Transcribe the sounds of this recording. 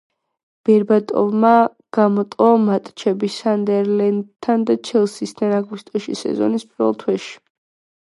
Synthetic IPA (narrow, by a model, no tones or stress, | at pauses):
b̥ɛɾbat̪ʼɔ̰vma | ɡ̥amɔt̪ʼɔmat̪ʼt͡ʃʰɛbisand̪ɛɾlɛnd̪t̪ʰːand̪at͡ʃʰɛlˠsist̪ʰanaɡust̪ʼɔʃḭsɛ̰zɔ̰nispʼiɾvɛ̰lˠt̪ʰwɛʃi̥